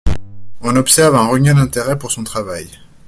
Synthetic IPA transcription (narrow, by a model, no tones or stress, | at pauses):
ɔ̃nɔpsɛʁvɛ̃ʁəɲɛd̪ɛ̃t̪eʁɛpuʁsɔ̃t̪χavaj